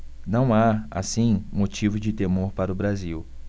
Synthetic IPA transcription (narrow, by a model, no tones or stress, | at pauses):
nɐ̃w̃aa̰sĩmot͡ʃivʊd͡ʒɪt̪emoɾpaɾʊbɾaziw